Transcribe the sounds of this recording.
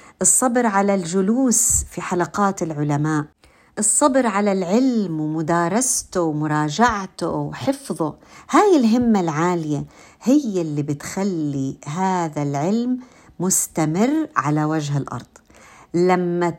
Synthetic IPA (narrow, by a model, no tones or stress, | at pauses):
ʔɨsˤːɑbɾʕalald͡ʒʊluːsfiħalaqɑːt̪ɪlʕʊlamaːʔ | ʔɨsˤːɑbɾʕalalʕɪlmwmʊd̪ɑːɾˤɑst̪ʊwmʊɾˤɑːd͡ʒaʕt̪ʊ̰wħɪfðˤʊhaːjɪlɦɪmːalʕaːlɪja | hɪjːɪlːibɪt̪xalːiɦaːðalʕɪlmː | ʊst̪amɪrːʕalawad͡ʒɦɪlʔɑ̰ɾˤd̪̥ˤlamːa